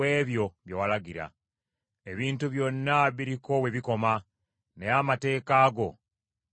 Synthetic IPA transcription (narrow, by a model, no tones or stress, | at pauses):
e̞ːβjo̞βjawalaɡiɾa̰ | e̞βiːntuβjo̞nːaβiɾiko̞we̞βiko̞ma | nejamate̞ːkaːɡo̞